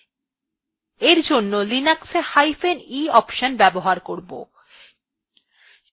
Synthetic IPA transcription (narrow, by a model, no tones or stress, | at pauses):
eɾd͡ʑonːolinaksehajfeniɔpʃonbɛboɦaɾkoɾbo̰